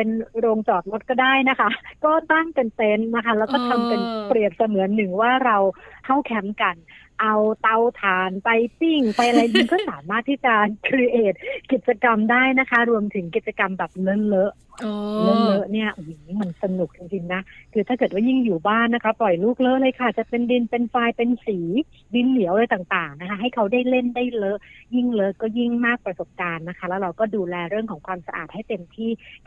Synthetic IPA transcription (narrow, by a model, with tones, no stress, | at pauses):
pe˧nɾoː˧ŋt͡ɕɔː˨˩t̪̚mo˦˥t̪̚kɔː˥˩daː˥˩jna˦˥kʰa˦˥ʔkɔː˥˩t̪aː˥˩ŋka˧nt̪e˦˧˥nna˦˥kʰa˦˥lɛː˦˥wkɔː˥˩t̪ʰa˧mpa˧npɾi˨˩əp̪̚sa˧mɯ˩˦ɐnːɯ˨˩ŋwaː˥˩ɾa˧wkʰa˥˩wkʰɛ˦˥mka˧n | ʔa˧wt̪a˧wt̪ʰaː˨˩npa˧jp̪i˥˩ŋpa˧jʔa˧ɾa˧jdɯ˧ŋkʰɔː˥˩saː˩˦mːaː˥˩t̪ʰːiː˥˩t͡ɕa˨˩ʔkʰɾi˧˥ʔeː˨˩t̪̚ki˨˩t̪̚t͡ɕa˧ka˧mdaː˥˩jna˦˥kʰa˦˥ɾu˧əmt̪ʰɯ˩˦ŋki˨˩t̪̚t͡ɕa˧ka˧mbɛː˨˩p̚lɤ˦˥lɤ˦˥ʔ | lɤ˦˥lɤ˦˥ʔni˥˩ɐʔji˨˩niː˦˥ma˧nsa˧nu˨˩k̚t͡ɕi˧ŋt͡ɕi˧ŋna˦˥ʔkʰɯː˧t̪ʰaː˥˩kɤː˨˩t̪̚waː˥˩ji˥˩ŋjuː˨˩baː˥˩nːa˦˥kʰa˦˥plɔ˨˩jluː˥˩k̚lɤ˦˥ʔlɤː˧jkʰa˧˩t͡ɕa˨˩pe˧ndi˧npe˧nfaː˧jpe˧nsiː˩˦ | di˧nli˨˩˦wʔlɤː˧jt̪aː˨˩ŋt̪aː˨˩ŋna˦˥kʰa˦˥ɦa˥˩jkʰa˦˥wdaː˥˩jle˥˩ndaː˥˩jlɤ˦˥ʔji˥˩ŋlɤ˦˥ʔkɔː˥˩ji˥˩ŋmaː˥˩k̚pɾa˧so˨˩p̚kaː˧nːa˦˥kʰa˦˥lɛː˦˥wɾa˧wkɔː˥˩duː˧lɛː˧ɾɯ˥˩əŋkʰɔː˩˦ŋkʰwaː˧msa˧ʔa̰ː˨˩t̪̚ha˥˩jt̪e˧mt̪ʰiː˥˩